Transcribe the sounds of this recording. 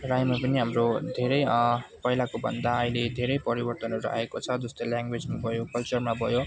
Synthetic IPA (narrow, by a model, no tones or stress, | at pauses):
rajmapʌniɦamrod̪ʱeɾʌjpʌɦilakobʱʌ̰nd̪aʌjled̪ʱeɾʌjpʌɾibʌrt̪ʌnʌɾa̰a̰ekot͡sʰʌd͡zʌst̪ʌjljaŋɡwed͡zmabʌjokʌlt͡sʌrmabʱʌjo